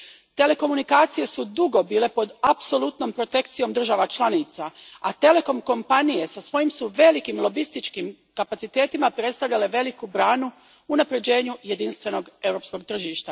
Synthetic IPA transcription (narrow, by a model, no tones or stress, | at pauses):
t̪e̞le̞ko̞munikaːt̪sije̞sud̪uɡo̞biːle̞po̞d̪apso̞lˠut̪no̞mpɾo̞t̪e̞kt̪sijo̞md̪r̩ʒaʋat͡ʃlˠanit̪saat̪e̞le̞ko̞mko̞mpanije̞sasʋo̞jimsuʋe̞likimlˠo̞bist̪it͡ʃkim | kapat̪sit̪e̞ːt̪imapɾe̞t̪st̪aʋʎale̞ʋe̞likubɾaːnu | unapɾe̞d͡ʑe̞ːɲuje̞d̪inst̪ʋe̞no̞ɡe̞wɾo̞ːpsko̞ɡ̚t̪r̩ʒiːʃt̪a